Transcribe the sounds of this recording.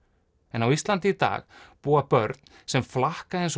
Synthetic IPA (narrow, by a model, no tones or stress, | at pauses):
ɛnawist̪lant̪̬ɪt̪a̰ːɣpuːapœɾt̪n | sɛmflahkaens